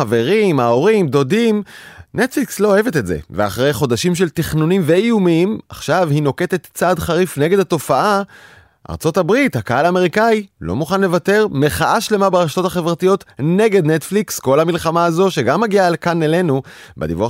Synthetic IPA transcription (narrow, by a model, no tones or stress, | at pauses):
ave̞ʁimaoʁimdo̞dimnetflikslo̞ːevetetze̞̰vea̰χʁejχo̞daʃimʃ̬e̞ltiχnunimveijumima̰χʃavhino̞ke̞t̪e̞t̪t͡sadχaʁifne̞ɡe̞dato̞faʔa | ʔa̰ʁt͡so̞tabʁithakaalaːme̞ʁikailo̞̰muχanle̞vate̞ʁmeχaʔaʃle̞mabeʁaʃt̪o̞taχe̞vʁatijo̞tne̞ɡe̞dnet̪fliksko̞lhamilχamaːzo̞ʃe̞ɡamːaɡialkanele̞nubḛd̪ḭvua